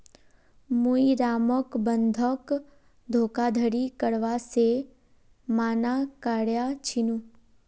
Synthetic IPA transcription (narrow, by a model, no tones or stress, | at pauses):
muiɾaːməkbənd̪ʱək | d̪ʱoːkad̪ʱəɽikəɽʋase | maːnakaɽjat͡ʃʰinũ